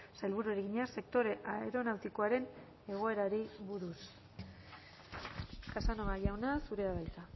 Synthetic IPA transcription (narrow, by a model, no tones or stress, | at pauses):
sajlβuɾueɾeɣiɲase̞k̚t̪o̞ɾe̞ʔae̞ɾo̞nawt̪iko̞aɾe̞n | e̞ɣ̞o̞e̞ɾaɾiβuɾus | kasanoɣaʝawnasuɾe̞aβajk̪a